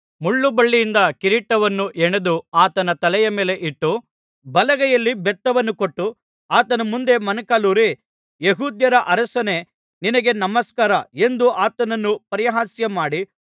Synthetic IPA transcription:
muɭːubɐɭːijind̪ɐkiɾiʈːɐʋɐnːuʔeɳɐd̪uaːt̪ɐnɐt̪ɐlɛjɐmeːle̞ʔiʈːu | bɐlɐɡɐjɐlːibɛt̪ːɐʋɐnːukoʈːu | aːt̪ɐnɐmund̪e̞mɐnɐkaːluːɾi | jeɦuːd̪jɐɾɐʔɐɾɐsɐne̞ | ninɐɡe̞nɐmɐskaːɾɐe̞nd̪uʔaːt̪ɐnɐnːupɐɾijɐɦaːsjɐmaːɽi

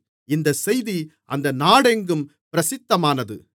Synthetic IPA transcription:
ɪnd̪ɐsɛjðiʔɐ̰nd̪ɐnaːɽɛŋɡɯmpɪɾɐsɪt̪ːɐmaːnɐðɯ̰

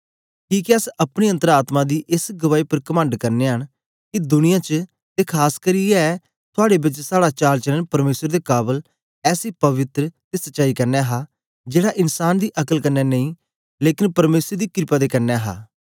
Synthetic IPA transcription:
kiːkiəsɐpɽ̃eːə̃nt̪əɾaːt̪mãːd̪iːʔɪsɡəʋaːiːpəɾkəmə̃ɳɖkɐɾneːɦəɳ̃ | kid̪ʊnɪjãːt͡ʃə | t̪eːkʰaːskəɾiːɛ | t̪ʰʊaːɽeːbɪt͡ʃsaːɽaːt͡ʃaːlt͡ʃələnpɐɾmeːsəɾd̪eːkaːbəl | ɛːsiːpəʋɪt̪ɾət̪eːsətːʃaːikɐɾnɛːɦaː | d͡ʒeːɽaːʔɪnsaːnd̪iːʔɐkəlkənːɛːnə̃ĩː | leːkɪnpɐɾmeːsəɾd̪iːkɪɾɪpaːd̪eːkɐɾnɛːɦa̰ː

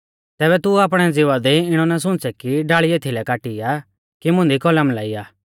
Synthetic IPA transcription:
t̪ɛːbɛt̪uaːp̬ɽ̃ɛd͡zɪʋad̪eɪɽ̃ɔnas̬ʊ̃nt͡sɛkiɖaːɭieːt̪ʰilɛkaːʈija | kimʊ̃nd̪ikɔləmlaːiːaː

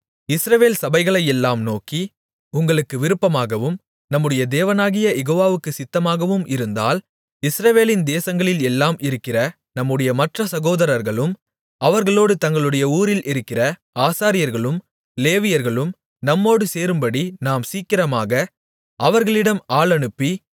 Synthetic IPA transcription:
ɪsɾɐʋeːlsɐbɐɪɣɐɭɐjɛlːaːmnoːki | ʊŋɡɐɭɯkːɯʋɪɾɯpːɐmaːɣɐʋɯm | nɐmːɯɽɐjɐd̪eːʋɐnaːɣɪjɐjɛɣoːʋaːʋɯkːɯsɪt̪ːɐmaːɣɐʋɯmɪɾɯnd̪a̰ːl | ɪsɾɐʋeːlɪnd̪eːsɐŋɡɐɭɪlɛlːaːmɪɾɯkːɪrɐ | nɐmːɯɽɐjɐmɐʈrɐsɐɣoːðɐɾɐɾɣɐɭɯm | ɐʋɐɾɣɐɭoːɽɯt̪ɐŋɡɐɭɯɽɐjɐuːɾɪlʔɪɾɯkːɪrɐ | aːsaːɾɪjɐɾɣɐɭɯm | leːʋɪjɐɾɣɐɭɯm | nɐmːoːɽɯseːɾɯmbɐɽinaːmsiːkːɪrɐmaːɣɐ | ɐʋɐɾɣɐɭɪɽɐmaːɭɐɳɯpːi

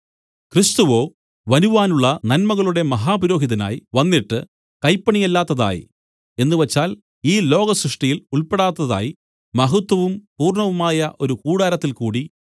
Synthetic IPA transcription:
krist̪uʋo̞ː | ʋɐnuʋaːnuɭːɐnɐnmɐɣɐɭuɽe̞mɐɦaːpuɾo̞ːɦiðɐna̰ːjʋɐnːiʈːɨ | kɐjpːɐɳijelːaːt̪ːɐða̰ːjḭ | e̞nːuʋet͡ɕːaːl | iːlo̞ːɡɐsɾɨʂʈijiluɭpeɽaːt̪ːɐða̰ːji | mɐɦut̪wɐʋumpuːrɳɐʋumaːjɐʔoɾukuːɽaːɾɐt̪ːilkuːɽi

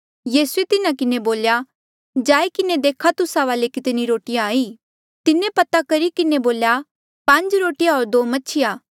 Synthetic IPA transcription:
jiːsuet̪ɪnãkɪneboːlja | d͡ʒaːikɪned̪eːkʰat̪ʊsaʋaːlekɪt̪niɾoːʈɪjãːiː | t̪ɪnẽpɐt̪akɐɾikɪneboːlja | pɐ̃ɲd͡ʒɾoːʈɪjãɦoːɾd̪oːmɐtːʃʰɪjaː

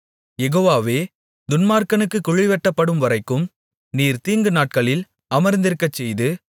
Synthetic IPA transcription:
jɛɣoːʋaːʋeː | d̪ʊnmaːɾkɐnɯkːɯkʊɻɪʋɛʈːɐpːɐɽɯmʋɐɾɐɪkːɯm | niːɾt̪iːŋɡɯnaːʈ̚kɐɭɪl | ɐmɐɾnd̪ɪɾkːɐt͡ʃːɛjðɯ

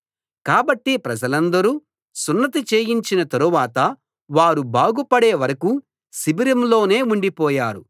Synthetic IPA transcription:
kaːbɐʈːipɾɐd͡ʒɐlɐnd̪ɐɾuː | sunːɐt̪̬it͡ʃeːjiɲt͡ʃinɐt̪ɐɾuʋaːt̪ɐ | ʋaːɾubaːɡupɐɽeːʋɐɾɐku | sibiɾɐmlo̞ːne̞ːuɳɖipɔːjaːɾu

